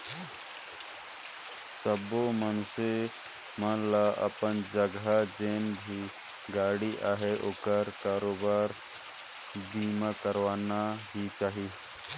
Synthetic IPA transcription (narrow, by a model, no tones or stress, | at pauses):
səbomənse | mənlaʔə̰pənd͡ʒəɡad͡ʒeːnbʱi | ɡaːɽiʔaːɦeʔoːkəɾkaːɾoːbaːɾ | b̪iːmakəɾʋaːnaɦit͡ʃaːɦi